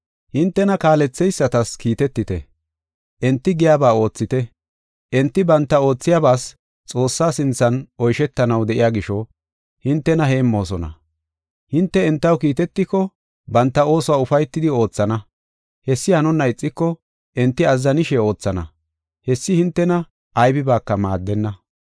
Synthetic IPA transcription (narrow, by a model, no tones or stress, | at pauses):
hɪnt̪ːɛnɐkaːlɛt͡sːɛjsːɐt̪ɐskiːt̪ɛt̪ːɪt̪ɛ̰ | ʔɛnt̪ːɪɡɪjaːbaːo̞ːt͡sːɪt̪ɛ | ʔɛnt̪ːɪbɐnt̪ːɐo̞ːt͡sːɪjabaːs | t͡sʼo̞ːsːaːsɪnt͡sːɐnɔjʃɛt̪ːɐnɐwd̪ɛʔɪjaːɡɪʃɔ | hɪnt̪ːɛnɐɦe̞ːmːo̞ːs̬ɔnɐ̰ | hɪnt̪ːɛɛnt̪ːɐwkiːt̪ɛt̪ːɪkːɔ | bɐnt̪ːɐo̞ːsʊwaːʊfɐjt̪ːɪd̪ɪo̞ːt͡sːɐnɐ | hɛsːɪhɐnʊnːɐɪt͡sʼːɪkːɔ | ʔɛnt̪ːɪɐzːɐnɪʃɛo̞ːt͡sːɐnɐ̰ | hɛsːɪhɪnt̪ːɛnɐ | jbɪbaːkːɐma̰ːd̪ːɛnːɐ